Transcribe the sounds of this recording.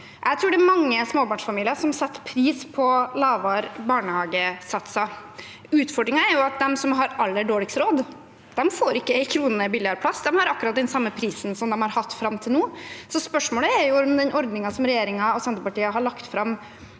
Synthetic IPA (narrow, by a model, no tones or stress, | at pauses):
ʔæɪt̪ʰɾʉːɖɛɾmɑŋːəsmoːbɑːɳʂfɑmiːlɪəɾʂɔmsɛt̪ːpʰɾiːspʰɔlɑːʋɑɾbɑːɳəhɑːɡəsɑt̪sɑ | ʉːt̪fɔɖɾɪŋɑɛɾjʊɑt̪̚d̪ɛmsɔmɦɑɾɑlːəɖoːlɪksɾoːd̪ | d̪̥ɛmfoːɾɪkːəæɪkʰɾuːnənəbɪljɑɾpʰlɑsːd̪ɛmhɑɾɑkːʉɾɑt̪̚d̪ɛnsɑmːəpʰɾiːsn̩sɔmd̪ɛmhɑɾhɑt̪ːfɾɑmt̪ʰɪlnuːsɔspœʂmoːləɛɾjʊɔmd̪ɛnʔɔɾd̪nɪŋɑsɔmɾɛjeːɾɪŋɑɔsɛnt̪əpɑʈiːəɦɑɭɑkt̪fɾɑm